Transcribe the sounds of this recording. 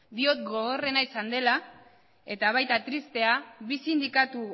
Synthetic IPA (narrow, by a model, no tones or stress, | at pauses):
d̪io̞t̪ɡo̞ɣ̞o̞re̞naisand̪e̞la | e̞t̪aβ̞ajt̪at̪ɾist̪e̞aβisind̪ikat̪u